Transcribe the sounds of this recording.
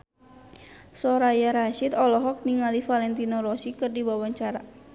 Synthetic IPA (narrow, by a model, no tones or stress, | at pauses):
sɔɾajaɾaʃit̪ɔlɔɦɔk̚niŋalifalɛnt̪inɔɾɔsikɨrdiwawaɲt͡ʃaɾa